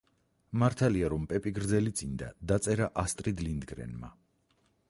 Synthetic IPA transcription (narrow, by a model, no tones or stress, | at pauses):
maɾt̪ʰaliaɾɔmpʼɛpʼiɡɾd̪zɛlit̪sʼind̪a̰d̪at̪sʼɛɾaʔast̪ʼɾid̪lind̪ɡɾɛ̰nma̰